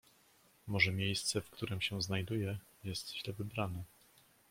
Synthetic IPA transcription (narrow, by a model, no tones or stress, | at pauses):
mɔʐɛmʲjejst̪sɛfkt̪ʰuɾɘmɕɛ̃znajd̪ujɛ | jɛst̪ɕlɛvɘbɾanɛ